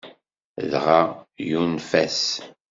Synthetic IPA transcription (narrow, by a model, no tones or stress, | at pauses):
ðʁajunfæs